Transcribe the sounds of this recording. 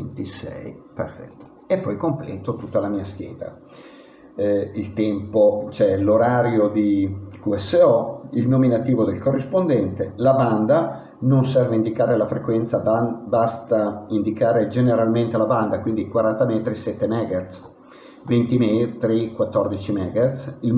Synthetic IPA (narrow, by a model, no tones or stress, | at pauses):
vent̪isɛ̰jpḛrfɛ̰t̪ːo̥ | epːɔjkomplɛ̰ːt̪ot̪ut̪ːalamiːask̟jɛ̰ːd̪a̰ | ilt̪ɛmpot͡ʃɛloɾaːɾjod̪ikuɛsːeɔilnominat̪iːvod̪elkorːispond̪ɛnt̪elaband̪a | nonsɛrveind̪ikaːɾelafɾekwɛnt̪sababast̪aind̪ikaːɾed͡ʒeneɾalment̪elaband̪akwind̪ikwaɾant̪amɛːt̪ɾisɛt̪ːemɛɡers | vent̪imɛt̪ɾikwat̪ːɔrd̪it͡ʃimɛːɡersil